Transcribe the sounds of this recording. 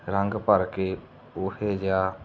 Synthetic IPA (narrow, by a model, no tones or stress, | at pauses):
ɾəŋɡpəɾke | ʊɦed͡ʒjaː